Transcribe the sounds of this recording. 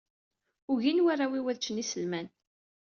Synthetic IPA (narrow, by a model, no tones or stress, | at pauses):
ʊʝinwarˤawiwæðt͡ʃːənisəlmæn